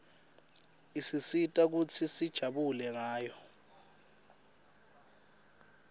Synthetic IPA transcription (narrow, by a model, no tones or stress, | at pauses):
isisitʼak̬ut͡sʰisid̥ʒ̥ʱaɓulɛk̬aːjɔ